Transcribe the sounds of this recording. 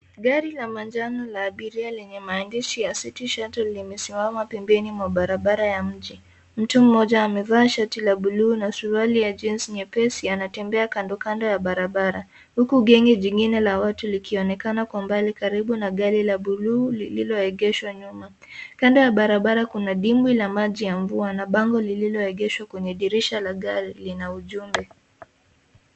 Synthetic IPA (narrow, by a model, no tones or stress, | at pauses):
ɠaɾilamand͡ʒanalaːɓiɾialɛɲɛmaːndiʃijasitiʃatɔlːimɛsimamapɛmbɛnimwaɓaɾaɓaɾajam̩d͡ʒi | m̩tum̩ːɔʄaːmɛvaːʃatilaɓuluːnasuɾalijad͡ʒinsiɲɛpɛsianatɛmbɛakandɔkandɔjaɓaɾaɓaɾa | hukuɡɛŋɡɛʄiŋɡinɛlawatulikʰiɔnɛkanakwambalikaɾiɓunaɠaɾilaɓuluːlililɔɛɠɛʃwaɲuma | kandɔjaɓaɾaɓaɾakunaɗimwilamaʄijaɱvuanaɓaŋɡɔlililɔɛɠɛʃwakwɛɲɛɗiɾiʃalaɠaɾilinauʄumbɛ